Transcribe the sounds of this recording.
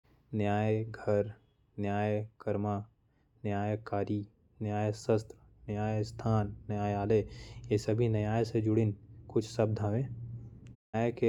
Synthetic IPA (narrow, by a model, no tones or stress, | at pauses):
njaːjeɡʱɐɾ | njaːjkɐɾmaː | njaːjkaːɾi | njaːjesəst̪ɾə | njaːjest̪ʰaːnːjaːjaːlejesɐbʱinəjaːjsed͡ʒʊɽɪnkʊt͡ʃʰsɐb̚d̪ʱaːʋẽːnjaːjke